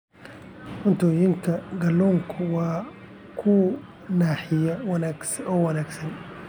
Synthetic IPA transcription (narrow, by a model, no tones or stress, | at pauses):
ʔʊnt̪ʰɔːjɪŋkʰɐɡɐlːɔːŋkʰʊwɑː | kʰʊ | naːħɪjɐ | ɔːwɐnaːɡsɐn